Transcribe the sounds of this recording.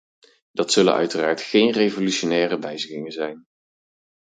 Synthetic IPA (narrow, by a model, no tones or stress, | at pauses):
d̥ɑtsɵlə̰nœ̰ɥtəraːɹtχejnrejvolyʃonɛːrəʋɛjzəχɪŋənzɛjn